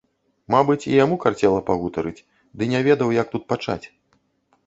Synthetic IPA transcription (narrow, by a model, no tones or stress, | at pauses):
mabɨt͡sʲijamukart͡sʲɛlˠɐpaɣut̪ɐɾɨt͡sʲ | d̪ɨnʲɛvʲɛd̪ɐwjɐk̚t̪ut̪̚pat͡ʂa̰t͡sʲ